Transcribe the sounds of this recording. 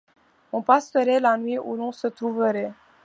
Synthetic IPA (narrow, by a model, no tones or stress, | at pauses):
ɔ̃pasəɾɛlanwɥiʔulɔ̃sət̪ɾuvəɾɛ